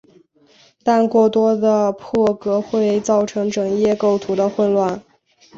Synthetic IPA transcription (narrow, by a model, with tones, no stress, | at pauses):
t̪a˥˧nkwɔ˥˩t̪wɔ˥d̪ə˨pʰɔ˥˩kɤ˧˥xwe˥˧ɪt͡sɑ˥˩ʊʈ͡ʂʰɤ˧˥ŋʈ͡ʂɤ˨˩ŋjɛ˥˧ko˥˩ʊt̪ʰu˧˥d̪ə˧xwə˥˧nlwa˥˩n